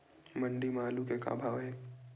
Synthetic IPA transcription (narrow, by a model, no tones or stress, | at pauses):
mə̃ɳɖimaːlukeka̰ːbʱaːʋɦɛː